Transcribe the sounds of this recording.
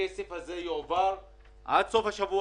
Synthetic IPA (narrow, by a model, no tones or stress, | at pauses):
esefhazejovaɾ | ʔa̰d̪so̞fhaʃavu